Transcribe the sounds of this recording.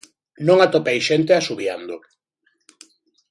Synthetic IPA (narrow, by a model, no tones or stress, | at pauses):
nõŋat̪opejʃent̪easuβja̰nd̪o